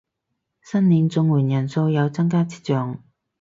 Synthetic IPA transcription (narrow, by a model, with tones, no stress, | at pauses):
sɐ˥nliː˨˧nt͡sʊ˧ŋwuː˨˩njɐ˨˩nso˧wjɐ˨˧wt͡sɐ˥ŋkaː˥t͡si̥ː˥t͡ʃœː˨˧ŋ